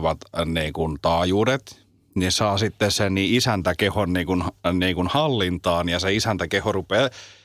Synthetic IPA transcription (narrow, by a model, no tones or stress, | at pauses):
ʋɑt̪niːŋkunt̪ɑːjuːɾet̪ | nisɑːsit̪ːessenniːisænt̪ækehonniːkunniːŋkunhɑlːint̪ɑːnjɑseisænt̪ækehorupeː